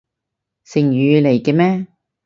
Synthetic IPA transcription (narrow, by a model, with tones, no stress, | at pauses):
sɪ˨˩ŋjyː˨˧le˨˩jkɛː˧mɛː˥